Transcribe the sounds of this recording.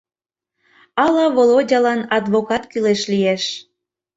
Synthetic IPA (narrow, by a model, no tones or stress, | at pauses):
ɑlɑvolodʲɑlɑnɑd̪βokɑt̪kyleʃlijeʃ